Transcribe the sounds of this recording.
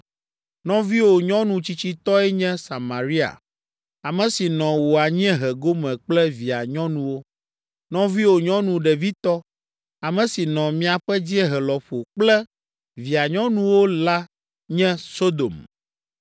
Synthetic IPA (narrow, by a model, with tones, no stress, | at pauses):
nɔ̃˦vi˦wo˨ɲɔ̃˦nũ˨t͡ɕi˦t͡ɕi˦t̪ɔ˦ɛ˦ɲɛ̃˦sa˨ma˨ɾi˦a̰˨ | a˨mɛ̃˨si˨nɔ̃˨wo˨a˨ɲĩ˦ɛ̃˦ɦɛ˨ɡo˦mɛ̃˨k͡plɛ˦vi˨a˨ɲɔ̃˦nũ˨wo˦ | nɔ̃˦vi˦wo˨ɲɔ̃˦nũ˨ɖɛ˨vi˦t̪ɔ˦ | a˨mɛ̃˨si˨nɔ̃˨mĩ˦a˨ɸɛ˦d͡ʑi˦e˦ɦɛ˨lɔ˨ɸo˨k͡plɛ˦ | vi˨a˨ɲɔ̃˦nũ˦wo˦la˦ | ɲɛ̃˦so˦d̪o̰˨m